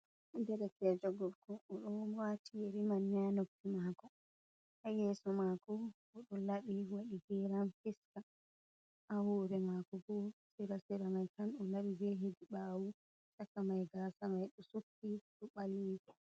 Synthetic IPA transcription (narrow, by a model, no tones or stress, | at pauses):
dɛɾɛkɛd͡ʒɔɡɔfkɔːɗɔwatʰijeɾimanɲanokːimakɔ | hajɛːsɔmakɔ | ɔɗɔlaɓiwaɗiɡɛlamfiska | ʔawɔːɾɛmakɔɡɔsɛɾasɛɾamajkanɗɔlaɓibɛɦediɓaːwu | t͡ʃakamajɡaːsamajɗɔsukːiɗɔɓaljedɛ